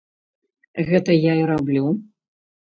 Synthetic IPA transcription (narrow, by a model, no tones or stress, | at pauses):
ɣɛt̪ɐjaiɾablʲu